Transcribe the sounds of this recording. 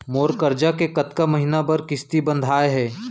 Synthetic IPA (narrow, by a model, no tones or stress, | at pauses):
moːɾkɐɾd͡ʒakekɐt̪kamɐɦɪnabɐɾkɪst̪ibɐ̃nd̪ʱaːeɦɛː